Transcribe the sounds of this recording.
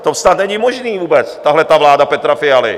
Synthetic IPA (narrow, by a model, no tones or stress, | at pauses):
t̪ɔsnad̪ɲɛɲimɔʒniːvuːbɛt͡st̪aɦlɛt̪aːʋlaːd̪apɛt̪ɾafɪalḭ